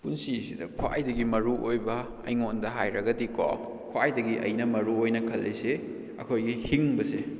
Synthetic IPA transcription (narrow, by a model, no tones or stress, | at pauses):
punsisidɐkʰwa̰jdɐɡimɐɾuʔojbɐ | ɐ̰jŋondɐɦajɾɐɡɐdiko̰m | kʰwajdɐɡiʔɐ̰jnɐmɐɾuojnɐkʰɐlːise | ɐ̰kʰojɡihiŋbɐse